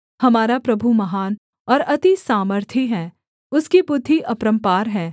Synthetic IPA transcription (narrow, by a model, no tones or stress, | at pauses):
hɐmaːɾapɾɐbʱumɐɦaːn | ɔːɾɐt̪isaːməɾt̪ʰiɦɛ̃ː | ʊskipʊd̪ʱːiʔɐpɾə̃mpaːɾɦɛ̃ː